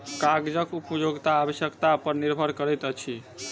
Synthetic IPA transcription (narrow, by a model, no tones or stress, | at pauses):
kaɡd͡ʒəkupəjoɡt̪aːbəsjəkt̪apəɾniɾbʱəɾkəɾɛjt̪ət͡ʃʰi